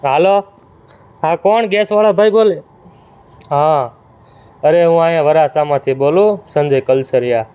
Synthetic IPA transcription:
ɦəloː | ɦãːkoːɳɡeːsʋaːlaːbʱaiɓoːleː | ɦãː | əɾeːɦũːaːjãːʋəɾaːsaːmãːt̪ʰiːɓoːloːsə̃nd͡ʒʱəːkəlsəɾɪjaː

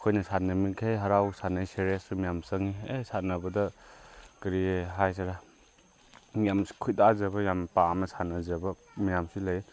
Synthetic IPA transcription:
kʰojnɐsanɐmikʰejɦaɾawsanajseɾesumijamsɐŋiesatnɐbɐdɐ | kɐɾieɦajs̬aɾa | mijamskʰujtazɐbɐjampamɐsanɐzɐbɐ | mijamsilɐj

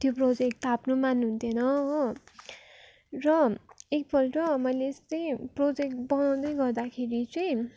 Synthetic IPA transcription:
t̪joprod͡zek̚ʈt̪apnomanɦunt̪ʰjenʌɦo | rʌek̚bʱʌlʈʌmʌjlest̪ʌjprod͡zekʈbʌnaw̃d̪ʌjɡʌrd̪akʰeɾit͡sʌj̃

